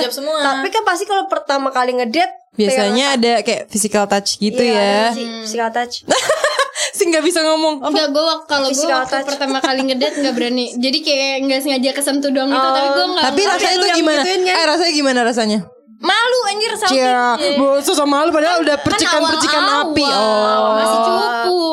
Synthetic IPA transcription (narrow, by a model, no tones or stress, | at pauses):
d͡ʒap̚səmuat̪apikanpas̬t̪ikalopərt̪amakaliŋədɛt̪̚biasaɲaːdakajafisikalt̪at͡ʃɡiujafisikalt̪at͡ʃna | sɪŋɡaʔbisaŋɔmɔŋŋɡaɡuawakːalosɡal̚t̪at͡ʃpərt̪amakaliŋədɛt̪̚ŋɡaʔbəɾanid͡ʒadikajaŋɡasəŋad͡ʒakəsamt̪uduaŋɡiut̪apiɡuaŋɡat̪apiɾasaauɡimanaaaɾasaɲaɡimanaɾas̬aɲa | maluaɲd͡ʒiɾasajabososamaalupadaudahpərt͡ʃəkanpərt͡ʃikanapiɔauku